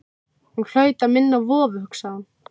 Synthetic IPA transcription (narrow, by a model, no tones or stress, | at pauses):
hunkʰl̥œːɥt̪aðmɪnːavɔːvʏhʏksaðan